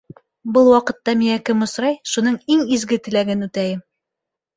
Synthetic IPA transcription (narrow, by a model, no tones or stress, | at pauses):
bɤlˠwɒqɤ̆t̪ːɑmiŋækɘmŏsɾɑjʃunɤɴiŋizɡɘt̪ɘ̆læɡɘnʉt̪æjɘm